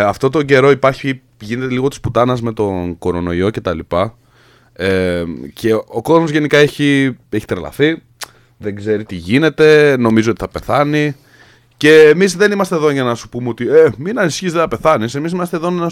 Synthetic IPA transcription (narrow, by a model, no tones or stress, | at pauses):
ɐft̪o̞t̪o̞ɲɟe̞ɾo̞ipɐɾçi | ʝine̞t̪eliɣo̞t̪i̥sput̪ɐnɐzme̞t̪o̞nko̞ɾo̞no̞io̞ce̞t̪ɐlipɐ | eceo̞ko̞zmo̞zʝe̞nikɐeçie̞çi̥t̪ɾelɐ̰θi | ðe̞ɡze̞ɾit̪iʝine̞t̪e̞no̞mizoo̞t̪i̥θɐpe̞θɐni | ce̞ːmizðe̞nimɐst̪eðoʝɐnɐsu̥pumeo̞t̪ieminɐnisçizðeθɐpe̞θɐnise̞mis̬imɐst̪eðo̞nnɐ